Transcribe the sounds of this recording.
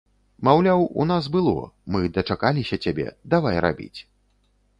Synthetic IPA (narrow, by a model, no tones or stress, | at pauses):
mawlʲawṵnasbɨlˠɔ̰mɨd̪ɐt͡ʂakalʲisʲɐt͡sʲabʲɛ̰d̪avajra̰bʲḭt͡sʲ